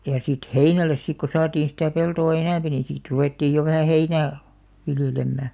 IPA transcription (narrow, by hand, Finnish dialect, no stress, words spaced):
jɑ sit heinælˑes sik ko sɑːtiːn̞ sitæˑ peltoˑ enæmpi nĩː sit ruʋeˑtːiːj jo ʋæhæ heinæː ʋiljelemːæ